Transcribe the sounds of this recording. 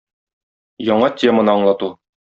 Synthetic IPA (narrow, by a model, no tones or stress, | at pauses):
jɒɴɑtʲe̞mə̆nɤɒɴlˠɑt̪u